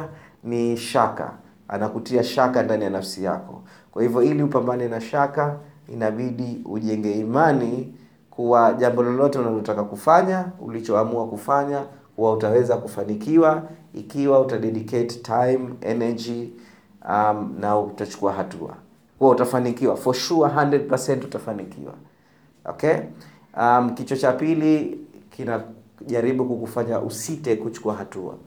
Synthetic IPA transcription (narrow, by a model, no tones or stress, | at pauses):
niʃaka̰ | a̰nakutiaʃakandanijanafsija̰kɔ̰ | kwahivjɔiliupambanɛnaʃakaḭnaɓiɗiṵʄɛŋɡɛimani | kʰuwaʄambɔlɔlɔtɛunalɔtakakufaɲaṵlit͡ʃɔamuakufaɲakuwautawɛzakufanikiwaḭkiwautaɗɛɗikɛttʰajmɛ̰nɛd͡ʒi | amnauutat͡ʃu̥kuaɦatua̰ | huwautafanikiwafɔʃuaɦandɾɛd̚pasɛntutafanikḭwa̰ | ɔ̰kɛ | am̩kit͡ʃɔt͡ʃapilikʰina | ʄaɾiɓukukufaɲaʔṵsitɛkut͡ʃu̥kuaɦatua̰